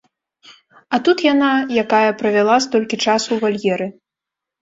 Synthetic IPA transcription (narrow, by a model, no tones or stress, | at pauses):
ɐt̪ut̪janajakajɐpɾɐvʲalˠast̪ɔlʲkʲit͡ʂasuvalʲjɛɾɨ